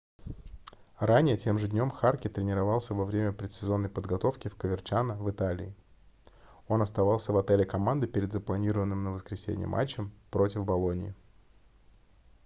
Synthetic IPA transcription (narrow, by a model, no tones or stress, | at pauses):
ranʲɪjətʲe̞mʐɨdʲnʲo̞mxarkʲɪt̪ɾʲɪnʲɪɾɐvɑlˠsʲəvɐvɾʲemʲəpɾʲɪt̪sʲɪzo̞nːəjpəd̪ɡɐt̪o̞fkʲɪfkəvʲɪrt͡ɕanəvɨt̪alʲɪ̰ɪ | o̞nɐst̪ɐvɑlˠsʲəvɐt̪ɛlʲɪkɐmand̪ɨpʲɪɾʲɪd̪zəplˠɐnʲiɾəvənːɨmnəvəskɾʲɪsʲḛnʲɪ̰jə̰mːʔa̰t͡ɕːɪmpɾo̞tʲɪvbɐlˠo̞nʲɪɪ̰